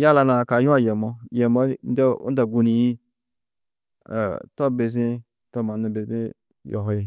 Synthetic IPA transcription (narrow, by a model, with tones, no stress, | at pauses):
ja˦la˧na˨ka˨˦ju˦a˦je˨mɔ˧je˨mo˦n̩˦de˦ṵ˦da˨ɡu˨˧ni˨ji˦˨ | to˦be˨z̬i˦ | to˦ma˨nu˧˨be˨ze˦ | jo̰˨ɦo˦ji˦